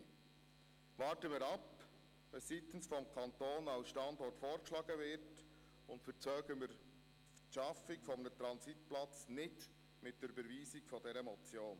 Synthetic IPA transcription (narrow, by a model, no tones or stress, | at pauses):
vɑːɾtəmɪːɾɑp | ɛssiːt̪n̩sfɔmkʰɑntoːnɑlsʃtɑndɔɾtfoːɾkʃlɑːɡ̥əvɪɾt | ʊntfət͡sœːɡəmɪɾ | ʃɑfɪkfɔmnətɾɑnsitplɑt͡snɪt | mɪt̚d̥ɛɾybəɾviːsɪkfɔdɛɾəmɔt͡sjoːn